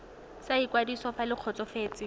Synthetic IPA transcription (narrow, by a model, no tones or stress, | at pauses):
saikwadisɔfalɪq͡χʰɔt͡sɔfeːt͡sʼɪ